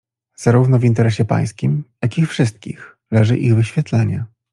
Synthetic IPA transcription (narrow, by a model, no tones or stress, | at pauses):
z̥aɾuvn̪ɔvʲint̪ɛɾɛɕɛpa̰j̃skʲimjakʲixfʂɘst̪̚kʲḭx | lɛʐɘ̰ʔiɣvɘɕfʲjɛt̪lɛɲɛ